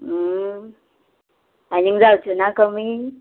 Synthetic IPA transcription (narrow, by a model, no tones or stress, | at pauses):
aniŋzaut͡ʃunakami